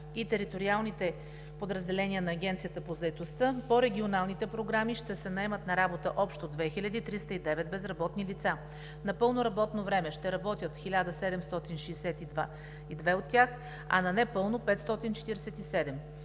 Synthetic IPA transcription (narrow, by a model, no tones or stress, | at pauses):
it̪ɛɾit̪oɾialˠnit̪ɛ | pod̪ɾɐzd̪ɛlɛnʲiənɐːɡʲɛnt̪siət̪əpozɐɛt̪ost̪əpoɾɛɡʲionalˠnit̪ɛpɾoɡɾamiʃt̪ɛsɛnɐɛmət̪nɐɾabot̪əʔɔpʃt̪od̪vɛxilʲəd̪iːt̪ɾist̪əid̪ɛvɛd̪̚bɛzɾɐbɔt̪nilit̪sa | nɐpɤlˠnoɾɐbɔt̪novɾɛmɛʃt̪ɛɾɐbɔt̪ʲjət̪xilʲad̪əsɛd̪ɛmst̪ɔt̪inʃɛːsɛt̪id̪va | id̪vɛot̪ːjax | ɐ̰nɐnɛpɤlˠnopɛt̪st̪ɔt̪int͡ʃɛ̥t̪iɾɛsɛt̪isɛd̪ɛm